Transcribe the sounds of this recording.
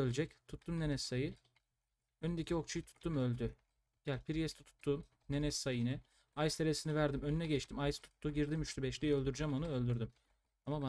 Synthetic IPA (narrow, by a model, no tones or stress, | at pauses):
ølʲd͡ʒɛct̪ʰut̪ʰːumnenɛsːajɯ | ønynd̪ecʰio̞k̚t͡ʃʰujɯt̪ʰu̥t̪ʰːumø̞lʲd̪y | ɟælʲpʰiɾjɛst̪ʰɛt̪ʰu̥t̪ʰːuːm | ne̞nɛsːajinɛ | ajst̪ʰeɾesinivæɾd̪imønynɛɟɛt͡ʃt̪ʰimajst̪ʰu̥t̪ʰːuɟiɾd̪imyʃt̪ybɛʃlʲijø̞lʲd̪yɾd͡ʒɛmonuø̞lʲd̪yɾd̪ym | amaba